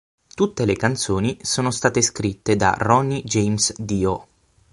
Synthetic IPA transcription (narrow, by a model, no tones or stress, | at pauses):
t̪ut̪ːelekant̪soːnisoːnost̪aːt̪eskɾit̪ːed̪a̰rɔnːid͡ʒejmsd̪iːo